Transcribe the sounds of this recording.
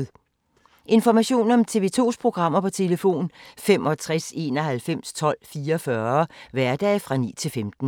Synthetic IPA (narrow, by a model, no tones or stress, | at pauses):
ʔe̝nfɒmæɕo̝̰ːnɒ̽mt͡sʰe̝ʋe̝ːt͡sʰo̝̰ːspʰʁo̝ɡ̥ʁɑ̈m̰ɐpʰɒ̽t͡sʰe̝ləfo̝̰ːnfem̰ʔɒ̽t͡sʰʁase̝ːnɒ̽hælfem̰st͡sʰɒ̽l̰fiːɐfɶɐʋæɐd̥ɛ̰ːfʁɑ̈nḭːt͡sʰe̝lfemd̥n̩